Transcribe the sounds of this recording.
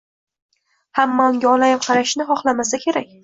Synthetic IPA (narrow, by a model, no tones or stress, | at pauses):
hamːaʊŋɡʲaɒlajɪmqʰɑɾaʃnɪχɒχlˠamasakʲʰe̞ɾak̚ʲ